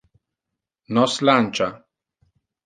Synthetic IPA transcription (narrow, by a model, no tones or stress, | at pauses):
nɔslant͡ʃa